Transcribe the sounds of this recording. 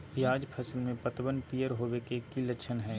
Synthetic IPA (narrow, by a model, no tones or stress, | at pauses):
pijaːd͡ʒpʰɐsəlmẽpɐt̪bənpijəɾɦoːʋekekilɐʃʰənɦɛː